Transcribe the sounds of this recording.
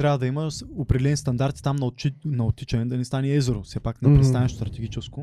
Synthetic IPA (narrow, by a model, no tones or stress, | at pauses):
t̪ɾʲavəd̪ɐimɐopɾʲed̪ɛlɛnist̪ɐnd̪aɾt̪t̪amnɐnɐot̪ːit͡ʃɛnɛd̪ɐnist̪anɛɛzɛɾofsɛpaknɐpɾɛt̪st̪aɛʃt̪st̪ɾɐt̪ɛɡʲit͡ʃɛskʊ